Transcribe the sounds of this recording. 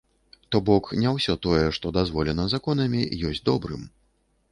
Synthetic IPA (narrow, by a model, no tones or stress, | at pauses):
t̪ɔbɔknʲɛwsʲɔt̪ɔjɛʂt̪ɔd̪azvɔlʲɛnɐzakɔnɐmʲijɔsʲd͡zʲd̪ɔbɾɨ̰m